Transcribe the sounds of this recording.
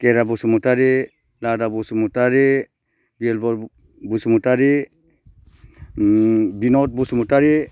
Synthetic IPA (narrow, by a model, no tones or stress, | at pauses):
kɛɾabusumutaɾe | ladabusumutaɾe | bielbɔ | busumutaɾe | binɔt̚busumutaɾe